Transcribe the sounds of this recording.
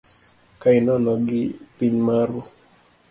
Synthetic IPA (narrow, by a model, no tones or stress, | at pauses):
kainɔnɔɡɪpiɲmaɾwɔ